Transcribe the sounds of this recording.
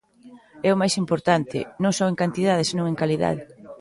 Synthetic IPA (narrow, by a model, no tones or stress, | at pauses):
ɛʊmajsimpoɾt̪ant̪ɪ̰nõŋsɔweŋkant̪iðað̞esenõŋeŋkaliða̰ðɪ